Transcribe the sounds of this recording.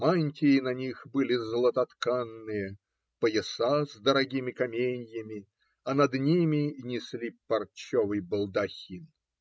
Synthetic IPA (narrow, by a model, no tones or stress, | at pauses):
manʲtʲɪɪnɐnʲixbɨlʲɪzlˠət̪ɐt̪kanːɨjə | pəjɪsazd̪əɾɐɡʲimʲɪkɐmʲenʲjəmʲɪ | ɐnɐd̪nʲimʲɪnʲɪsʲlʲipɐrt͡ɕːovɨjbəlˠd̪ɐxʲin